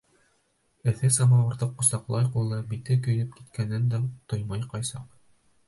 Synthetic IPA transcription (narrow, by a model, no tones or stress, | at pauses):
ɘ̆θɘsɑmɑwɤ̆ɾðɤqːŏsɑqlˠɑjqulˠːɑbit̪ɘk̬ɵ̆jɾɘp̚ki̥t̪kʰænːɘnd̪æt̪ojmɑjqɑjsɑq